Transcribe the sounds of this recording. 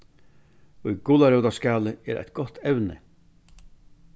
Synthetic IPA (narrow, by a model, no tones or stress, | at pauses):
ujɡʊlaɾɛwt̪askaːləɛ̰ːɾʔæ̰jt̪̚ɡɔt̪ʰɛwnə̰